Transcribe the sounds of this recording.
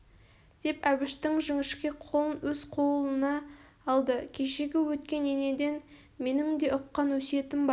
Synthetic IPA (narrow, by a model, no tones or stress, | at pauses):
d̪̥e̞pæbɪʃt̪ɪŋʒɪŋɪʃkʲe̞qʰo̞lˠənwɵz̥qʰo̞lˠənɑː | lˠd̪əkʲʰe̞ʃe̞ɡʲɪwɵt̪kʲe̞nene̞d̪e̞n | me̞nɪŋd̪e̞ʔʊqːɑnwɵse̞t̪ɪmbɑ